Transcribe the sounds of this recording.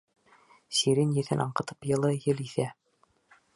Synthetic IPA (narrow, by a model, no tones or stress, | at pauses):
siɾɘnjɘ̆θɘnʔɑɴqɤ̆t̪ɤ̥pjɤ̆lˠɤjɘliθæ